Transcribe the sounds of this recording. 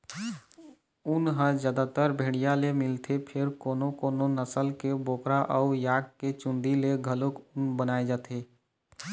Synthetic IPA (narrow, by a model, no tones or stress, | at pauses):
ʊnɦə̃zjaːd̪at̪əɾbʱeːɽijalemɪlt̪ʰepʰɪɾkoːnokoːnonəsəlkeboːkɾaʔəʊjaːʈ̚ket͡ʃʊ̃nd̪ileɡʱəlokʊnbənaːed͡ʒaːt̪ʰeː